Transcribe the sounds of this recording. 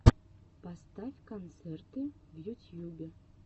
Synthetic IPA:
past̪afʲkont̪sert̪ɨ | vjut̪ʲjubʲɪ

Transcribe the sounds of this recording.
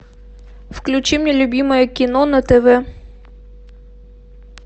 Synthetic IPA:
fklʲʊt͡ɕimnʲɛlʲʊbʲimɔjəkʲɪnɔnɐt̪ɛvɛ

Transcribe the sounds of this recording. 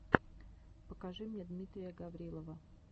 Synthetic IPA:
pəkɐʐɨmʲnʲed̪mʲit̪ɾʲɪjəɡɐvɾʲilˠəvə

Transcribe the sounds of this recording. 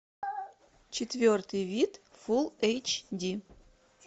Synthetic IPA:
t͡ɕɪt̪vʲort̪ɨjvʲit̪fulˠejt͡ɕdʲi

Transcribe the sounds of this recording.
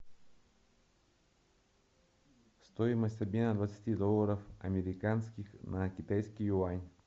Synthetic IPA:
st̪oɪməsʲt̪ʲɐbʲmʲenəd̪vət̪sə̥tʲid̪olˠːəɾəfɐmʲɪɾʲɪkanskʲɪxnʔɐkʲɪt̪ajskʲɪjuanʲ

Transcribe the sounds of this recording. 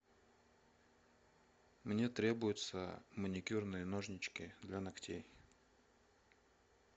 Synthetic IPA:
mnʲe̞t̪ɾʲe̞bʊjʊt̪sə̰mənʲɪkʲurnɨjənoʐnʲɪt͡ɕkʲɪd̪lʲanɐktʲej

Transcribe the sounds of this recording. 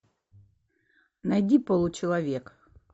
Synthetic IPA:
nɐjdʲipolˠʊt͡ɕɪlˠɐvʲek

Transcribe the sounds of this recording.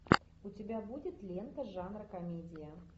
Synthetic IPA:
ut͡sʲɪbʲabudʲɪt̪lʲent̪ɐʐanɾɐkɐmʲed͡zʲɪjə

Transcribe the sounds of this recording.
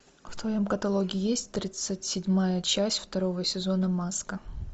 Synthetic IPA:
ft̪vɐjo̞mkət̪ɐlˠo̞ɡʲɪɪjesʲtʲt̪ɾʲit̪sɨtʲsʲɪdʲmajət͡ɕæsʲtʲft̪ɐɾo̞vəsʲɪzo̞nəmaskə

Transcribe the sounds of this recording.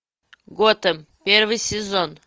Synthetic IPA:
ɡot̪əm | pʲeɾvɨjsʲɪzon

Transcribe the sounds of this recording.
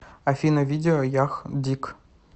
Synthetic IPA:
ɐfʲinɐvʲidʲɪɔjɑxd̪ʲik

